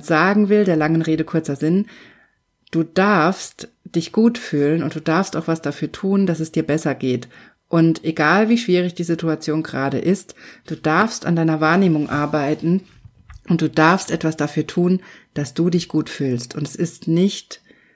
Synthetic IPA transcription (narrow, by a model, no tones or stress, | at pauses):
z̥aːɡŋ̩vɪldeːɐlaŋənʁeːɾəkʰʊɐt͡sɐzɪn | d̥uːd̥aɐfst | d̥ɪçɡ̥uːtfyːlənʊnt̚d̥uːdaɐfstaʊxv̥asd̥afyːɐtʰuːnd̥asɛsd̥iːɐbɛsɐɡeːt | ʔʊntʔeɡaːlviːʃv̥iːʁɪçd̥iːzituat͡sjoːnɡʁaːɾə̰ʔɪstd̥uːd̥aɐfsta̰ndaɪnɐvaːɐneːmʊŋʔaɐbaɪtn̩ | ʔʊnt̚d̥uːd̥aɐfstʔɛtv̥asd̥afyːɐtʰuːnd̥asd̥uːdɪçɡ̥uːtfyːlstʊntɛsɪstnɪçt